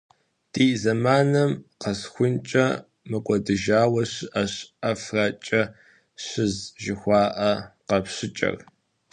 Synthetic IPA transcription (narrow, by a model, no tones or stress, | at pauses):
d̥iːzɐmaːnɐmqɐsxʷʊnt͡ʃʼɐ̰ | mɨkʷʼɔdɨʒaːwɐɕʔɐɕɐfrɐt͡ʃʼɐ | ɕɪzʒɪxʷɑːʔɐqɐpɕɪt͡ʃʼɐ̰r